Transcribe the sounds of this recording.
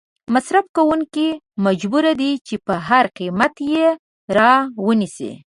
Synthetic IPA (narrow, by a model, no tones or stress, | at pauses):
masɾafkawuŋki | mad͡ʒbuɾad̪it͡ʃepəɦaɾqimat̪je | ɾɑwənisḭ